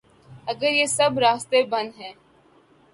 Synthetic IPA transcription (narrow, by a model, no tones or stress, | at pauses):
ɐɡəɾjesɐbɾaːst̪ebɐ̃nɦɛ̃ː